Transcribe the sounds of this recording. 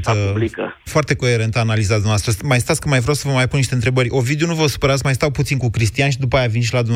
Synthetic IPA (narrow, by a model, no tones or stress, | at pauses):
likə̰foart̪e̞ko̞e̞ɾe̞nt̪aːnalizat̪d̪umnɐwast̪ɾəsmajst̪at̪sʲkəmajvɾʲjawsəvəmajpunːiʃt̪ent̪ɾe̞bərʲo̞vid̪eo̞nuvəsu̥pəɾat̪sʲmajst̪awput̪sinkukɾist̪ianʃ̬id̪upajavinʃ̬ilad̪umn